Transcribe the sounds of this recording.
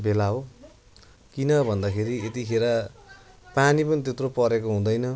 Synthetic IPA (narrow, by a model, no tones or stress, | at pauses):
belaɦo | kinʌbʱʌnd̪akʰeɾiet̪ikʰeɾʌ | panipʌnit̪̬et̪ropʌɾekoɦũd̪ʌjnʌ